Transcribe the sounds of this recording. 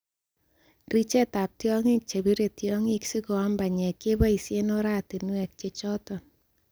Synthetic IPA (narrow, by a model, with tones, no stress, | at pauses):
ɡɾi˦t͡ʃe˦ta˨p̚tjɔ˦ŋɪ˦k̚t͡ʃe˨bi˦ɾe˨tjɔ˦ŋɪ˦ksi˦ɡɔ˨a˦mba˨ɲɛ˨ke˦ba˦i˨sje˦nɔ˦ɾa˦ti˨nwɛ˨k̚t͡ʃe˨t͡ʃɔ˦tɔ˨n